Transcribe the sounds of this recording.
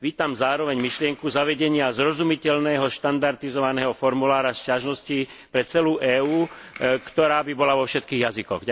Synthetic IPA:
ʋiːt̪amzaːɾɔʋɛɲmiʃlɪɛŋkuzaʋɛɟɛɲɪazɾɔzumicɛʎnɛːɦɔʃt̪and̪aɾt̪izɔʋanɛːɦɔfɔɾmulaːɾascaʒnɔsci | pɾɛt͡sɛluːʔɛːuː | kt̪ɔɾaːbibɔlaʋɔfʃɛt̪kiːɣjazikɔɣ

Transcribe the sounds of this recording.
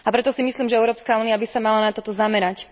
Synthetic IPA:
apɾɛt̪ɔsimisliːmʒɛɛʊɾɔːpskauːniabisamalanat̪ɔt̪ɔzamɛɾac

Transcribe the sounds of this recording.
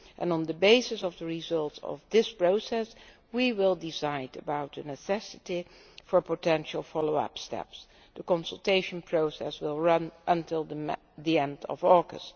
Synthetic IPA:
ʔə̰̃nə̃ndəbeɪsɨsɔvðəɹizʌlˠtsɔ̰vðɪspɹoʊsɛs | wiwɪlˠdɪsaɪdəbaʊt̚ðənɨsɛsɨti | fəɹpotʰɛ̃nʃl̩ˠfɑloʊʌ̰pstɛ̰ps | dəkɔ̃nsəl̩ˠteɪʃə̃npʰɹoʊsɛswɪlˠɹʌ̃nʔə̃ntʰɪlˠðə | ðiɛ̃ndʌ̰vɔɹɡə̰st

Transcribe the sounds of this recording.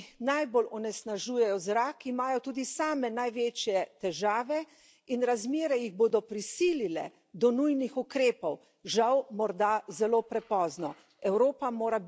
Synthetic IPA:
najbolɔnɛsnaʒuːjɛjɔzɾaːkimaːjɔt̪uːd̪isaːmɛnajʋeːt͡ʃjɛt̪ɛʒaːʋɛ | inɾazmeːɾɛjiɣboːd̪ɔpɾisiːlilɛ̰ | d̪ɔnujnixukɾeːpɔw | ʒawmɔɾd̪azɛloːpɾɛpɔːznɔ | ɛwɾoːpamoːɾab

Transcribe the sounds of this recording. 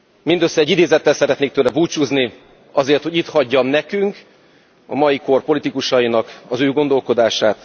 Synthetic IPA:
mind̪øsːɛɟːid̪eːzɛt̪ːɛlsɛɾɛt̪neːk̚t̪øːlɛbuːt͡ʃuːzni | ɒzeːrt̪hoɟit̪hɒɟːɒmnɛkyŋk | ɒ̰mɒjiko̞rpo̞lit̪ikuʃɒjinɒkɒzøːɡo̞nd̪o̞lko̞d̪aːʃaːt̪

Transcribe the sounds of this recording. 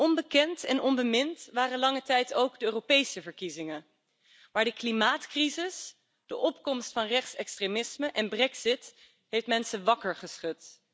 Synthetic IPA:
ʔɔnbəkɛntɛnɔnbəmɪntʋaːrənlɑŋətɛjtowɡdəøːropejsəvəɹkizɪŋə | maːɹdəklimaːtkrizɪs | d̥əʔɔpkɔmstfɑnrɛχtsɛkstremɪsməʔɛnbrɛksɪt | ɦejftmɛnsənʋɑkəɹχəsχɵt

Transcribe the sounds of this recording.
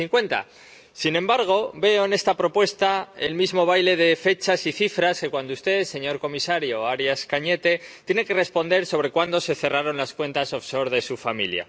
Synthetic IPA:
iŋkwe̞nt̪a̰ | sinẽ̞mbaɾɣ̞o̞be̞o̞ene̞st̪apɾo̞pwe̞st̪ae̞̰lmizmo̞β̞ajle̞ðe̞fe̞t͡ʃasiθifɾaske̞kwand̪oust̪e̞se̞ɲo̞ɾko̞misaɾjo̞aɾjaskaɲe̞t̪e̞t̪je̞ne̞ke̞re̞spo̞nd̪e̞ɾso̞β̞ɾe̞kwand̪o̞se̞θe̞raɾo̞nlaskwe̞nt̪asofso̞ɾðe̞sufamḭlja̰

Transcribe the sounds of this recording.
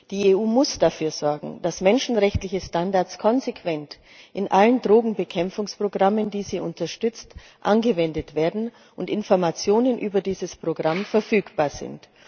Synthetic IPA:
d̥iːeuːmʊsd̥afyːɐz̥ɔɐɡŋ̩d̥asmɛnʃn̩ʁɛçtlɪçəstandaɐt͡skʰɔnzekʰv̥ɛnt | ʔɪnʔaləndʁoːɡŋ̩bəkʰɛmfʊŋspʁ̥oɡʁaməndiːziːʔʊntɐʃtʏt͡st | ʔanɡəvɛndətv̥eːɐdn̩ | ʔʊntɪnfɔɐmat͡sjoːnənʔyːbɐdiːzəspʁ̥oɡʁamfɛɐfyːkb̥aːɐz̥ɪ̰nt

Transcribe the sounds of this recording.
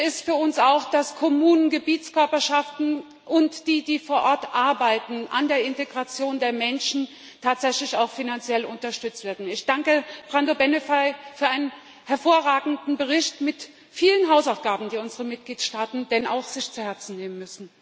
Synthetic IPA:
ɪstfyːɐʊnsaʊxd̥askʰɔmuːnənɡəbiːtt͡skœɐpɐʃaftn̩ | ʔʊntd̥iːdiːfoːɐʔɔɐtʔaɐbaɪtn̩ʔa̰ndeːɐɪnteɡʁat͡sjoːndeːɐmɛnʃn̩ | tʰaːtz̥ɛçlɪçaʊxfinant͡sjɛlʊntɐʃtʏt͡stv̥eːɐdn̩ɪçd̥aŋkəb̥ʁandobɛnefaɪfyːɐʔaɪnən | hɛɐfoːɐʁaːɡŋ̩dn̩bəʁ̞ɪçtmɪt | fiːlənɦaʊsaʊfɡ̥aːbm̩diːʊnzəʁəmɪt̚ɡ̥liːtʃtaːtn̩d̥ɛna̰ʊxz̥ɪçt͡suhɛɐt͡sn̩neːmənmʏsn̩

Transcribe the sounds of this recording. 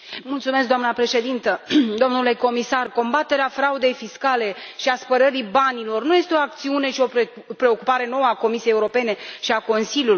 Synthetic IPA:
mult̪sumesk̚d̪oamnəpɾe̞ʃe̞d̪int̪əd̪o̞mnule̞ko̞misarko̞mbat̪e̞ɾeafɾaud̪e̞jfiskale̞ʃiaspəɾəɾibanilo̞rnuje̞st̪e̞o̞ak̚t̪siune̞ʃio̞ | pɾe̞o̞kupaɾe̞no̞wəako̞misiejeuɾo̞pe̞ne̞ʃiako̞nsiljulj

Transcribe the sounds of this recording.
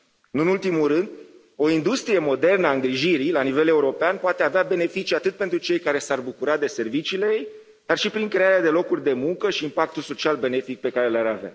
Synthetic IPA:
ɨnɨnult̪imulrɨnd̪ | o̞ind̪ust̪ɾijemo̞d̪e̞rnəaɨŋɡɾiʒiɾilanive̞le̞uɾo̞peanpoat̪eaveabe̞ne̞fit͡ʃiat̪ɨt̪̚pe̞nt̪ɾut͡ʃe̞jkaɾe̞sarbukuɾad̪e̞se̞rvit͡ʃiːlejej | d̪̥arʃipɾiŋkɾe̞aɾead̪e̞lo̞kurʲd̪e̞muŋkəʃiːmpak̚t̪ulso̞t͡ʃialbe̞ne̞fik̚pe̞kaɾelaɾavea̰

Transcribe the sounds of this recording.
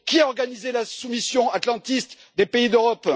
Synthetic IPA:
kʲiaɔʁɡanizelasumisjɔ̃at̪lɑ̃t̪ist̪ | d̪epeid̪øʁɔp

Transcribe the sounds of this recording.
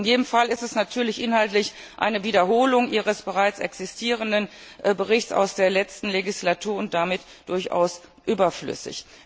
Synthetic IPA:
ɪnjeːdəmfalɪstɛsnatʰyːɐlɪçʔɪnɦaltlɪç | ʔa̰ɪnəviːdɐɦoːlʊŋʔiːʁəsb̥əʁaɪt͡sɛ̰ksɪstʰiːʁ̞əndənbəʁɪçt͡ssa̰ʊsd̥eːɐlɛt͡stn̩leɡislatʰuːɐʊnt̚d̥amɪt | d̥ʊɐçʔa̰ʊs | ʔyːbɐflʏ̰sɪ̰ç

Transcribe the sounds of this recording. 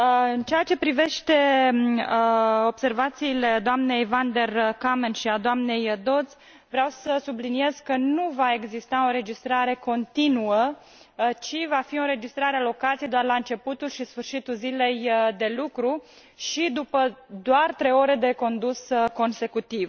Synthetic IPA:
ɨnt͡ʃeat͡ʃe̞pɾive̞ʃt̪e̞ | o̞bse̞rvat̪siːle̞d̪oamne̞jvand̪e̞rkamenʃiad̪oamne̞jd̪o̞d̪z̥ | vɾeawsəsublinie̞z̥kənuvae̞ɡzist̪ao̞ɾe̞d͡ʒist̪ɾaɾe̞ko̞nt̪inuə | t͡ʃivafio̞ɾe̞d͡ʒist̪ɾaɾealo̞kat̪sijed̪oarlaɨnt͡ʃe̞put̪ulʃisfɨrʃit̪ulzile̞jd̪e̞lukɾu | ʃid̪upəd̪oart̪ɾe̞jo̞ɾe̞d̪e̞ko̞nd̪usko̞nse̞kut̪iv

